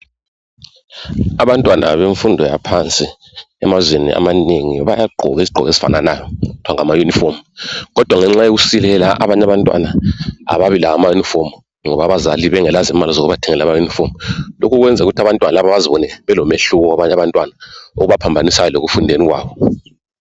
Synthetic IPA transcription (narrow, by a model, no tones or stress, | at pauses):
aβantʼwana̰βeɱfundʱɔja̰pʰant͡sʼi | ɛ̰mazwenḭʔa̰maneŋiβajaɡ͡ǃʱɔ̰ɣisiɡ͡ǃʱɔ̰ɣezi̥fa̰nanajɔud̥ʰʱwaŋamajunifomɣɔd̥ʱwaŋɛŋ͡ǁajoɣusilɛlaʔa̰βaɲaβantʼwa̰naa̰βaβilaamajunifom | ŋɔβaβazaliβɛŋɛlazimalizoɣuβatʰɛŋɛlamajunifomlo̰kʰuɣwɛnd͡zʱɛuɣutʰaβantʼwanalaβaβaziβɔnɛβɛlɔmeɬuɣɔwaβaɲaβantʼwanao̰ɣuβapʰambʱanisajɔleɣufundʱeniɣwa̰ːβɔ